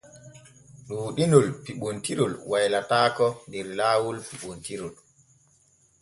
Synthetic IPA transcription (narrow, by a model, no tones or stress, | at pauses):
ɗuːɗinɔlpiɓontiɾɔlwajlataːkɔndɛɾlaːwulpiɓontiɾɔl